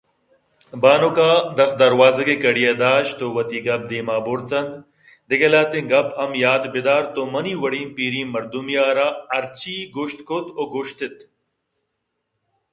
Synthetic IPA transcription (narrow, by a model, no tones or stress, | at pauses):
baːnokaːd̪ɐsd̪ɐɾwaːzɐɡekɐɽijed̪aːɕt̪owɐt̪iɡɐb̚d̪iːmaːboɾt͡sɐnd̪ | d̪iɡɐlaːt̪ẽŋɡɐbɐmjaːt̪bid̪aːɾt̪omɐniːwɐɽiːnpiːɾĩːmɐɾd̪umijaːɾaɐɾt͡ɕiːɡoɕt̪kʰot̪oɡoɕt̪et̪